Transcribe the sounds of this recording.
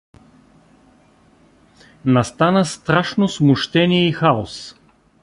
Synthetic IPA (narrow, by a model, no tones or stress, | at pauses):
nɐst̪anəst̪ɾaʃnosmʊʃt̪ɛniɛixaos